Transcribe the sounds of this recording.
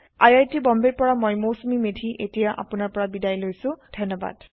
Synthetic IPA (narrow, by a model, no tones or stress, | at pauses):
ajajtibɔmbeɹpɔɹamɔjmosumimedʱiʔetijaʔa̰pʊnaɹpɔɹabidajlojsʊ̃dʱʌnɔba̰d̥